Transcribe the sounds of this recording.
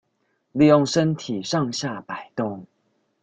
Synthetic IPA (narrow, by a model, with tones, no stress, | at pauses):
li˥˧jʊ˥˨ŋʂə˦nt̪ʰi˨˩ʂɑ˥˧ŋɕja˥˩pa˨˩ɪt̪o˥˩ŋ